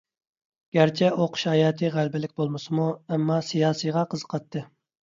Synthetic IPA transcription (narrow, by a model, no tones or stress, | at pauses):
ɡ̥ʲæɾt͡ʃʰɛʔoqʃhɑjɑːt̪ʰɨʁælbɪlɪkʲbolˠmɨsɨmuɛmːɑsijɑːsɨjʁɑqʰəzqʰɑt̪ʰːɨ